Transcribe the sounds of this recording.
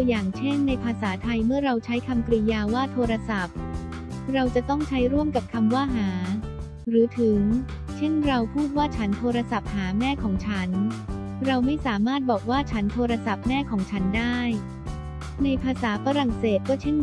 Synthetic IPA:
jaː˨˩ŋt͡ɕʰe˥˩nːa˧jpʰaː˧saː˩˦t̪ʰa˧jmɯ˥˩ɐɾa˧wt͡ɕʰa˦˥jkʰa˧mkɾi˧jaː˧waː˥˩t̪ʰoː˧ɾa˧sa˨˩p̚ | ɾa˧wt͡ɕa˨˩t̪ɔ˥˩ŋt͡ɕʰa˦˥jɾu˥˩əmka˨˩p̚kʰa˧mwaː˥˩ɦaː˩˦ | ɾɯː˩˦t̪ʰɯ˩˦ŋ | t͡ɕʰe˥˩nɾa˧wpʰuː˥˩t̪̚waː˥˩t͡ɕʰa˦˥nt̪ʰoː˧ɾa˧sa˨˩p̚haː˩˦mɛː˥˩kʰɔː˩˦ŋt͡ɕʰa˦˥n | ɾa˧wma˥˩jsaː˩˦maː˥˩t̪̚bɔː˨˩k̚waː˥˩t͡ɕʰa˦˥nt̪ʰoː˧ɾa˧sa˨˩p̚mɛː˥˩kʰɔː˩˦ŋt͡ɕʰa˦˥ndaː˥˩j | na˧jpʰaː˧saː˩˦fa˧ɾa˨˩ŋseː˨˩t̪̚kɔː˥˩t͡ɕʰe˥˩

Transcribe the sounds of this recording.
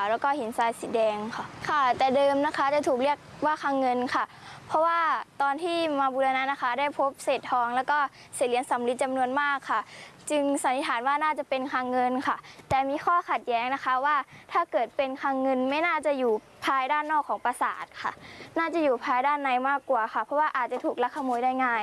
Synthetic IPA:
wlɛː˦˥wkɔː˥˩hi˩˦nsaː˧jsiː˨˦dɛː˧ŋkʰa˧˩kʰa˧˥˩t̪ɛː˨˩dɤː˧mna˦˥kʰa˦˥t͡ɕa˨˧˩t̪ʰuː˨˩k̚li˥˩ək̚waː˧˥˩kʰaː˧ŋːɤ˧nkʰa˧˥˩ | pʰɔ˦˥waː˧˥˩t̪ɔː˧nt̪ʰiː˥˩maː˧buː˧la˧na˧˥na˦˥kʰa˦˥da˥˩jpʰo˧˦˥p̚seː˨˩t̪̚hɔː˧ŋlɛː˦˥wkɔː˥˩ | seː˨˩li˩˦ənsa˨˦mli˦t̪̚t͡ɕa˧mnu˧ənmaː˥˩kʰːa˥˩t͡ɕɯ˧ŋsa˨˦nːi˦˥t̪ʰaː˩˦nwaː˥˩naː˥˩t͡ɕa˨˩pe˧nkʰaː˧ŋːɤ˧nkʰa˥˩t̪ɛː˨˩miː˧˥xʰɔː˥˩kʰa˨˩t̪̚jɛː˦˥ŋna˦˥xʰa˦˥waː˧˥˩t̪ʰaː˧˥˩kɤː˨˩t̪̚pe˧nkʰaː˧ŋːɤ˧nma˥˩jnaː˥˩t͡ɕa˧˩juː˨˩ | pʰaː˧jdaː˥˩nːɔː˥˩kʰːɔː˩˦ŋpa˧sa̰ː˨˩t̪̚kʰa̰˥˩naː˥˩t͡ɕa˨˩˨juː˨˩pʰaː˧jdaː˥˩˨nːa˧jmaː˥˩kːwaː˨˩xʰa˧˥˩pʰɔ˦˥waː˥˩ʔaː˨˩t̪̚t͡ɕa˨˩t̪ʰuː˨˩k̚la˦˥kʰːa˧moː˧˦jda˥˩jŋaː˥˩j

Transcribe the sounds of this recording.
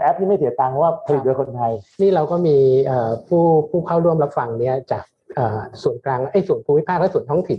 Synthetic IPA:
ʔɛ˦˥p̚niː˥˩ma˥˩si˩˦t̪aː˧ŋpʰwaː˥˩pʰa˧li˨˩u˧kʰo˧nt̪ʰa˧jniː˥˩ɾa˧wkɔː˥˩miː˧ʔɤː˨˩pʰuː˥˩pʰuː˥˩kʰa˥˩wɾu˥˩əmɾa˦˥p̚fa˧ŋni˦˥˩ɐt͡ɕaː˨˩k̚ʔɤː˨˩su˨˩ənklaː˧ŋʔa˥˩jsu˨˩ənpʰuː˧mi˦˥pʰaː˥˩lɛ˥˩su˨˩ənt̪ʰɔː˦˥ŋt̪ʰi˨˩n

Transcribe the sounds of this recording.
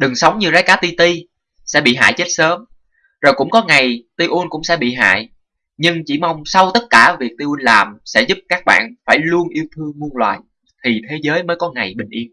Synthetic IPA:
ɗɨ˨˩ŋsə˨˦wŋ͡mɲɨ˧zaː˨˦jkaː˨˦t̪i˧t̪i˧ | sɛ̰˧˥ɓḭ˧˨ɦa̰ː˧˨jt͡ɕe˦˥t̚səː˨˦m | zo˨˩jkʊ̰˧˥ŋ͡mkɔ˨˦ŋa˨˩jt̪i˧ʔu˧nkʊ̰˧˥ŋ͡msɛ̰˧˥ɓḭ˧˨ɦa̰ː˧˨j | ɲɨ˧ŋt͡ɕi˧˩ma˧wŋ͡msa˧wt̪ə˦˥t̚kaː˧˩vi˨˩k̚t̪i˧ʔu˧nlaː˨˩msɛ̰˧˥zʊ˦˥p̚kaː˦˥k̚ɓa̰ː˧˨nfaː˧˩jlu˧ənʔi˧əwt̪ʰɨ˧əŋmu˧ənlwa̰ː˨j | t̪ʰi˨˩t̪ʰe˨˦zəː˨˦jməː˨˦jkɔ˨˦ŋa˨˩jɓï˨˩ŋ̟ʔi˧ən

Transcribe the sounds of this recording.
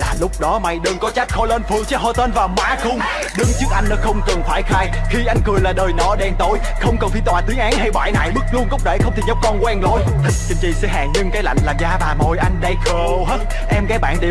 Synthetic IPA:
laː˨˩lʊ˦˥k͡p̚ɗɔ˨˦ma˧jɗɨ˧ŋkɔ˨˦t͡ɕa˦˥k̚xɔ˧ləː˧nfɨ˨˧˩əŋt͡ɕɛ˨˦˥ho˧t̪əː˧nvaː˨˩wmaː˨˦xʊ˧wŋ͡m | ɗɨ˨˦ŋt͡ɕɨ˦˥ək̚ʔa˧jŋ̟nɔ˨˦xə˧wŋ͡mkɨ˨˩ŋfaː˧˩jxaː˧jxi˧ʔa˧jŋ̟kɨ˨˩əjlaː˨˩ɗəː˨˩jnɔ˧˩˦ɗɛ˧˩nt̪o˨˦j | xə˧wŋ͡mkɔ˨˩nfi˧˩t̪waː˨˩t̪i˨˦əŋʔaː˨˦nɦa˧jɓa̰ː˧˩jna̰ː˧˨jɓɨ˦˥k̚lu˧ənkə˦˥wk͡p̚ɗe˧˩xə˧wŋ͡mt̪ʰi˨˩ə˦˥p̚kɔ˧nkwɛ˧nlo˧j | t̪ʰï˨˩k̚t͡ɕɨ˨˧˩ŋt͡ɕḭ˧˨sɨ̰˧˥ɦa̰ː˨˩ŋɲɨ˧ŋkaː˨˦jla̰˧˨jŋ̟laː˨˩zaː˧ɓaː˨˩mo˨˩jʔa˧jŋ̟ɗa˧jxə˨˩ | ɦe˦˥t̚ | ʔɛ˧mkaː˨˦jɓa̰ː˧˨nɗe˨˩

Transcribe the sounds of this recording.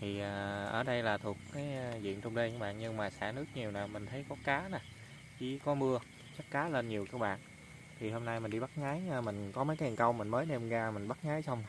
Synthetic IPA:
t̪ʰi˨˩ʔaː˨˩ʔə̰ː˧˩ɗə˧jlaː˨˩t̪ʰu˨˩ək̚kaː˨˦jzḭ˧˨ənt͡ɕʊ˧ŋ͡mɗe˧kaː˨˦˥ɓa̰ː˧˨nɲɨ˧ŋmaː˨˩sa̰ː˧˩nɨ˦˥ək̚ɲi˨˩əwnaː˨˩mï˨˩ŋ̟t̪ʰə˨˦jkɔ˨˦kaː˨˦na˨˩ | t͡ɕi˧˩kɔ˨˦mɨ˧ə | t͡ɕə˦˥k̚kaː˨˦le˧nɲi˨˩əwkaː˧˥k̚ɓa̰ː˧˨n | t̪ʰi˨˩ɦo˧mna˧jmï˨˩ŋ̟ɗi˧ɓa˦˥t̚ŋaː˨˦jːmï˨˩ŋ̟kɔ˨˦mə˨˦jka˨˦ji˨˩ŋkə˧wmï̟˨˩məː˨˦jɗe˧mɣaː˧mï˨˩ŋ̟ɓa˦˥t̚ŋaː˨˦jsa˧wŋ͡m

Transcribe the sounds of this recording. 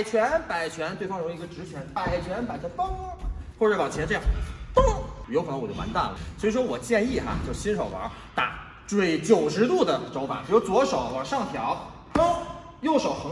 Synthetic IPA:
ɪt͡ɕʰɥɛ˧˥npa˨˩ɪt͡ɕʰɥɛ˧˥nt̪we˥˩ɪfɑ˥ŋɻŋ˧˥ɡə˧ʈ͡ʂɻ̩˧˥t͡ɕʰɥɛ˧˥npa˨˩ɪt͡ɕʰɥɛ˧˥npa˨˩ɪt͡ɕʰɛ˧˥fɑ˥ŋ˧xwɔ˥˧˩ʈ͡ʂə˥˩pɑ˨˩t͡ɕʰɛ˧˥nʈ͡ʂɤ˥˧jɑ˥˩t̪o˥˩˨o˧˥kʰn˥˧˥wt͡ɕjo˥˩ma̰˧˥nt̪a˥˩lə̰˩swi˧˥ʂwɔ˥wɔ˨˩t͡ɕjɛ˥˧ni˥˩xa̰˨t͡ɕjo˥˩ʊɕi˥nʂo˨˩ʊwɑ̰˧˥ | t̪a̰˨˧˩ | ʈ͡ʂwe˥˩ɪt͡ɕjo˨˩ʊʂ̬ɻ̩˧˥t̪u˥˩d̪ə˩ʈ͡ʂo˧˥fa̰˨˩˦ʈ͡ʂɻ̩˥jo˧˥ʊt͡swɔ˧˥ʂo˨˩˦ʊwɑ˨˩ʂɑ˥˩ŋt̪ʰjɑ˧˥ʊ | o˥ | jo˥˩ʊʂo˨˩ʊxɤ˧˥

